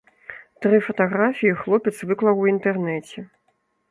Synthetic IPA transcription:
t̪ɾɨfɐt̪aɣɾafʲijixlˠɔpʲɛt̪svɨklˠɐwwint̪ɛrnɛt͡sʲɛ

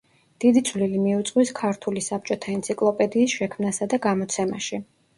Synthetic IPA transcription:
d̪̥id̪it̪sʰvlilimiut̪sʼqʼwiskʰaɾt̪ʰulisap̚t͡ʃʼɔt̪ʰaɛnt̪sʰikʼlˠɔpʼɛd̪iːsʃɛkʰmnasad̪aɡamɔt̪sʰɛma̰ʃi

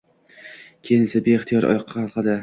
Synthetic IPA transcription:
kʲʰejɪnsɪbeːχt̪ʰijɒɾʔɒ̰jɒqʰːɑhɑlˠqʰɨd̪ɪ

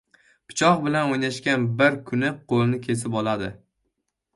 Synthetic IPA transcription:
pʰɪ̥t͡ʃʰɒqbɪlanojnaʃkʲanbɪɾkʰʊnɪqʰolˠnɪkʲʰe̞s̬ɪpɒlad̪ɪ

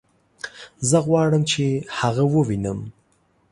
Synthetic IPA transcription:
zəɣwɑɽəmt͡ʃʰehaɣawəwinəm

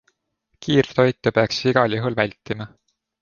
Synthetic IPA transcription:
kʰiːrt̪o̞jt̪ːˑupeɑksiɡ̥ɑlʲuɦulvælʲt̪ːˑimɑ

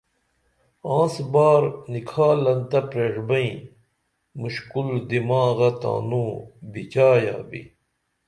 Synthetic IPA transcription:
ãːsbaːɾnikʰaːlɐnt̪ɐpɾeʂbɐĩ | muɕkuld̪imaːɣɐt̪a̰ːnũːbit͡ɕaːja̰ːbḭ

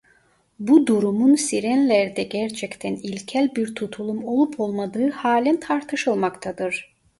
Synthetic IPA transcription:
bud̪uɾumunsiɾænlʲæɾd̪ɛɟæɾt͡ʃʰɛct̪ʰænilʲcʰælʲbiɾt̪ʰut̪ʰulˠumo̞lˠupʰo̞lˠmad̪ɯːhaːlʲɛnt̪ʰaɾt̪ʰɯʃɯlˠmakt̪ʰad̪ɯɾ̥

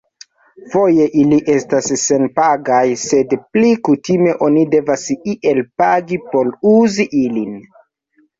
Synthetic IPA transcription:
fo̞je̞ʔiliʔe̞stasːe̞npaɡajse̞dplikutime̞ʔo̞nide̞vasiʔe̞lpaɡipo̞luziʔilin

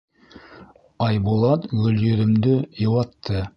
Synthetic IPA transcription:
ɑjbulˠɑt̪ɡɵ̆ljɵ̆ɾɘ̆md̪ɘjɤ̆wɑt̪ʰːɤ

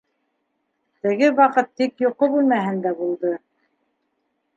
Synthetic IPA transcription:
t̪ɘ̆ɡɘwɑqɤt̪ːikjoqobʉlmæɦɘnd̪æbulˠd̪ɤ

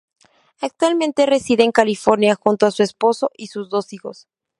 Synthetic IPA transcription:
ak̚t̪walmẽnt̪e̞re̞siðe̞ːŋkalifo̞ɾnjaxunt̪oasue̞spo̞so̞ʔisuzðo̞sixo̞s

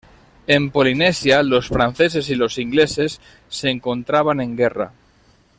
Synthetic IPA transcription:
e̞mpolinesjalo̞sfɾan̟θe̞se̞silo̞siŋɡle̞se̞sː | eŋko̞nt̪ɾaβ̞anẽ̞ŋɡera̰

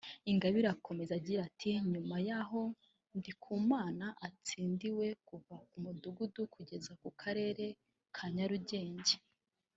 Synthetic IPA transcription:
iŋɡaβiɾakʰo̞me̞zaɟiɾatʰiɲumajaɦo̞ | ndikʰuːmaːnaʔat͡siːndiwe̞kuvakumuduɡudukʰuɟe̞zakukʰaɾe̞ːɾe̞ | kʰaɲaɾuɟe̞ːɲɟe

